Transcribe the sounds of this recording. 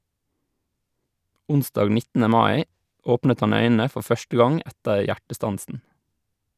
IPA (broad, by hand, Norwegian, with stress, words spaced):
ˈʊnsdɑːɡ ˈnɪtənə ˈmɑɪ ˈoːpnət ˈhɑn ˈœʏnənə ˈfɔɾ ˈfœʃtə ˈɡɑŋ ˈʔɛtəɾ ˈjæʈəˌstɑnsən